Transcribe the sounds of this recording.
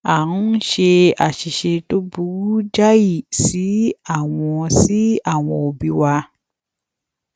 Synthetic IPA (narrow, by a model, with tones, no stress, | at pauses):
a˨nũ˦n̩˦ʃe˧a˨ʃi˨ʃe˧to˦bu˦d͡ʒa˦ji˦˨si˨˦a˦˨w̃ɔ̃˧si˦a˦˨w̃ɔ̃˧o˨bi˧wa˧